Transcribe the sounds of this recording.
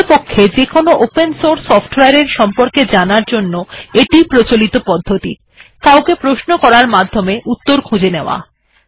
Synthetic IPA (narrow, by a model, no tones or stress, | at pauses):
pokʰːed͡ʑekonoʔopensoɾsːɔfʈweaɾeɾʃɔmpoɾked͡ʑanaɾd͡ʑonːoeʈipɾot͡ɕolit̪opɔd̪ʱːot̪ḭ | kawkepɾoʃnokɔɾaɾmad̪ʱːomeʔut̪ːoɾkʰud͡ʑeneoa̰